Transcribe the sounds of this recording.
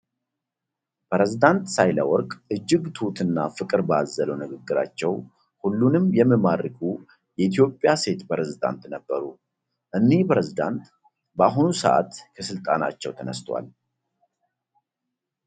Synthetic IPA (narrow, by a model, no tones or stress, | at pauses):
pʰɾezid̪ant̪sajlə̰wɔɾkʼʔɨd͡ʒːɪɡt̪ʰut̪ɨnːafɨkʼɨɾbazːələwnɨɡɨɡːɨɾa̰t͡ʃːɛw | hulːunɨmjɛmːɨmaɾɨkʰʼu | jɛʔit̪ʰijo̞pʼːjase̞t̪pʰɾezid̪a̰nt̪nəbːəɾu | ʔɨnːihpɾezid̪a̰nt̪ | bəaɦunusəʔa̰t̪kʰəsɨlt̪ʼana̰t͡ʃːɛwt̪ʰənə̰st̪ʰwa̰l